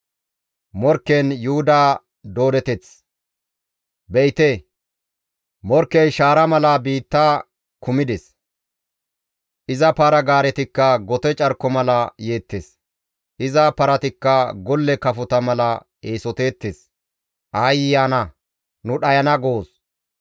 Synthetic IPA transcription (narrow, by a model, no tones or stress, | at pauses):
mɔɾkːɛnjuhʊd̪aː | d̪o̞ːd̪ɛt̪ɛt͡s | bɛjt̪e | mɔɾkːɛjʃaːɾɐmɐlɐbiːt̪ːaː | kʊmɪd̪ɛs | ʔɪzɐpaɾɐɡaːɾɛt̪ɪkːɐɡɔt̪ɛt͡ʃʼɐɾkːɔmɐlɐje̞ːt̪ːes | ʔɪzɐpɐɾɐt̪ɪkːɐɡɔlːɛkɐfʊt̪ɐmɐlɐ | eːsɔt̪e̞ːt̪ːes | ʔɐjɪjaːnɐ | nʊɗɐjɐnɐɡoːs